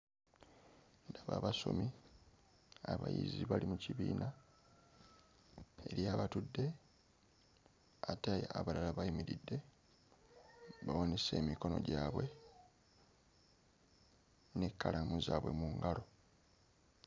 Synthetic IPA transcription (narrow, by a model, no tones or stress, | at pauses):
ndaβa̰ːβaso̞̰mi | aβa̰jḭziβalimuciβiːna | e̞̰ɾjaːβatudːe̞ | atajaβalalaβaimiɾidːe̞ | βawone̞se̞̰ːmiko̞no̞̰ɟaːβwe̞ | ne̞kːalamuzaːβwe̞̰muŋɡalo̞